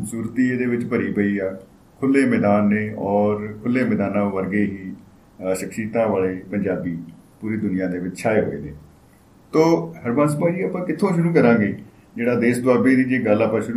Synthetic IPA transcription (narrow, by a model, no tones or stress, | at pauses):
suːɾt̪iːeːd̪eːʋɪt͡ʃpəɾiːpəiːɛː | kʰʊlːeːmɛːd̪aːnːeːʔɔːɾkʰʊlːeːmɛːd̪aːnãːʋəɾɡeːɦiː | ʃəkʃiːt̪ãːʋaːleːpəɲd͡ʒaːbiː | puːɾiːd̪ʊnɪjãːd̪eːʋɪt͡ʃʃʰaːeɦo̰ːḛːneː | t̪oːɦəɾbãːns̬əpaːd͡ʒiːəpãːkɪt̪ʰːõːʃʊɾuːkəɾãːɡeː | d͡ʒeːɽaːd̪eːsd̪waːbeːd̪iːd͡ʒeːɡəlaːpãːʃʊɾu